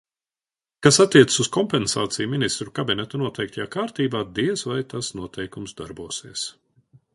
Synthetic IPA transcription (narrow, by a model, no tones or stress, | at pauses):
kasat̪ːiɛt̪ssuskɔmpɛnsa̰ːt̪sijuminist̪ɾukabinɛt̪anuɔt̪ɛjk̚t̪ʰjaːkaːɾt̪iːbaːd̪iɛsvajt̪asnuɔt̪ʰɛjkumsd̪aɾbuɔsiːəs